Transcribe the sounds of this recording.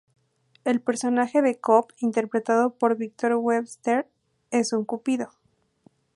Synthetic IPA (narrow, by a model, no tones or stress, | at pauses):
e̞lpe̞ɾso̞naxe̞ðe̞kopint̪e̞ɾpɾe̞t̪að̞o̞po̞ɾβik̚t̪oɾweβst̪eɾ | e̞suŋkupiðo̞